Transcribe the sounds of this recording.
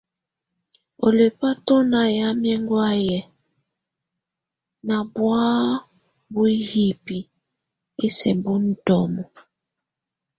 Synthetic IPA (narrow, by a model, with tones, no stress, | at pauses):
o̰˨le˨pa˦to˦na˨ja˦m˦ɛ˦ŋɡwa˦jɛ˨ | na˨bwa˦ | bu˦i˦hi˨pi˨ | e˦sɛ˨bu˦n̩˦tɔ˨mɔ˨